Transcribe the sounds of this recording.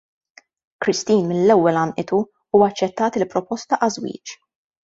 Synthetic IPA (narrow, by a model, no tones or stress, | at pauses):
kɾɪst̪iːnmɪnlɛwːɛlɐmʔɪt̪u | uːwɐt͡ʃːɛt̪ːɐːt̪ɪlpːɾɔpɔst̪ɐʔɐzwḭːt͡ʃ